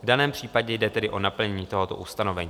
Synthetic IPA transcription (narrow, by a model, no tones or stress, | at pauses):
vdanɛːmpr̝̥iːpaɟɛjdɛt̪ɛdɪʔo̞napl̩ɲɛɲiːt̪o̞ɦo̞t̪o̞̰ʔust̪ano̞vɛɲiː